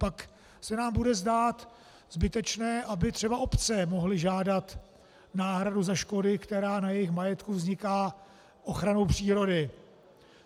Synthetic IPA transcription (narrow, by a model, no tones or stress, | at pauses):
pak | sɛnaːmbudɛzdaːt̪ | zbɪt̪ɛt͡ʃnɛːʔabɪt̪r̝̥ɛbaʔo̞pt͡sɛmo̞ɦlɪʒaːdat̪ | naːɦɾaduzaʃko̞dɪkt̪ɛɾaːnajɛjɪxmajɛt̪kuvzɲɪkaː | ʔo̞xɾano̞wpr̝̥iːɾo̞dɪ